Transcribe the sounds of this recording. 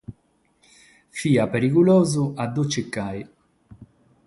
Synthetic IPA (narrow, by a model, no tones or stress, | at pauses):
fiːapeɾikulɔːzuad̪ot͡ʃːekːaj